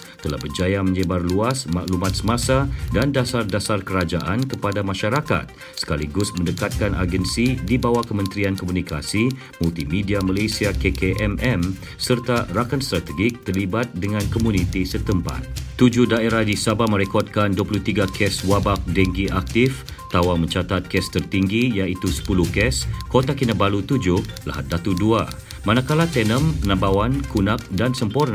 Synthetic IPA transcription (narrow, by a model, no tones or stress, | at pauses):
t̪əla̰hbərd͡ʒajamə̃ɲəbarluasma̰ʔlumat̪̚səmasadandasardasarkəɾad͡ʒaʔankəpadamãʃaɾaka̰t̪̚ | sə̥kaliɡʊsmə̃ndəkat̪̚kanʔa̰ɡɛnsidibawakəmə̃nt̪ɾiankomunikasi | mult̪imĩdiamalejsiakekeʔɛmʔɛm | sərt̪arakanst̪ɾat̪əɡɪk̚t̪ərlibat̪̚dəŋãnkɔmũnĩt̪isət̪əmpa̰t̪̚t̪ud͡ʒʊhdaeɾahdisabamə̃ɾɛkɔt̪̚kanduapuluht̪iɡakʰɛswabak̚dɛŋɡiʔak̚t̪if | t̪awamə̃ɲt͡ʃat̪at̪̚kɛst̪ərt̪iŋɡijait̪usə̥puluhkɛskot̪akinabalut̪ud͡ʒʊhla̰ɦa̰t̪̚dat̪udua | mãnakalat̪ɛnə̃mpənãmbawankunak̚dansəmporn